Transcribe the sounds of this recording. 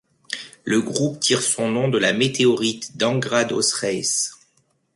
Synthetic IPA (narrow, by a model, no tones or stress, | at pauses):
ləɡʁupt̪ʰiʁsɔ̃nɔ̃d̪əlamet̪eɔʁit̪d̪ɑ̃ɡʁad̪ɔ̰sχɛs